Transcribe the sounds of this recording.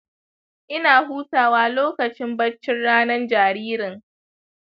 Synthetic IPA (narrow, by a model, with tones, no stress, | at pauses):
ʔɪ˦naː˨huː˦taː˨waː˦loː˦kɐ˨t͡ʃɪ˦mbɐ˦t͡ʃːɪ˦nɽaː˦nɐ˦nd͡ʒaː˨ɾiː˦ɾɪ˨ŋ